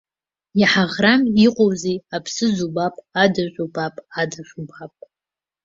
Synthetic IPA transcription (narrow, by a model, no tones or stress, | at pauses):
jaħaʁramiqʼowziapʰsɨzubapʼadaʒʷʼubapʼadaʒʷubapʼ